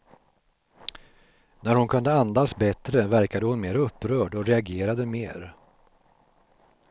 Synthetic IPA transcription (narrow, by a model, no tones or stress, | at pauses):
næɾhʊnkʰɵnd̪əand̪asbɛt̪ɾəvæɾkad̪əhʊnmeːɾaɵpːɾœːɖɔɾɛaɡeːɾad̪əmeːɾ